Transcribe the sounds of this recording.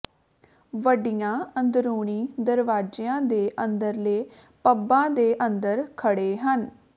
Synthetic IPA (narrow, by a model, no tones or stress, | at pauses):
ʋəɖɪjãːənd̪ɾuːɳ̃iːd̪əɾʋaːd͡ʒeãːd̪eːʔənd̪əɾleː | pəbãːd̪eːʔənd̪əɾkʰəɽeːɦən